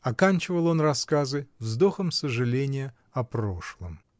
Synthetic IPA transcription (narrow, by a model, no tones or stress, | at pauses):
ɐkanʲt͡ɕɪvəlˠo̞nrɐskazɨvzd̪o̞xəmsəʐɨlʲenʲɪjə | ɐpɾo̞ʂlˠəm